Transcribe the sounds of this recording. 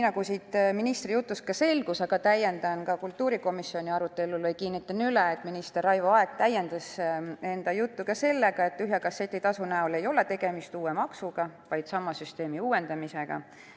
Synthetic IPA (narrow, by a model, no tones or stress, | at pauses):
niːnɑɡusit̪minist̪rijut̪ːˑuskɑse̞lɡusɑɡ̥ɑt̪æjend̪̥ɑnkɑkult̪ːˑuːɾiko̞misːio̞nʲiɑɾut̪ːˑe̞lulvɤjkiːnːit̪ːˑɑnyleːt̪ˑminist̪erɑjvoɑe̞k̚t̪æje̞nd̪ɑse̞nd̪̥ɑjut̪ːukɑse̞lːe̞ɡ̥ɑe̞t̪ːˑyɦjɑkɑset̪ːˑit̪ɑsunæole̞jo̞le̞t̪e̞ɡ̥e̞mist̪uːemɑksuɡ̥ɑvɑjd̪̥sɑmːɑsyst̪e̞ːmiuːwe̞nd̪ɑmise̞ɡ̥ɑ̰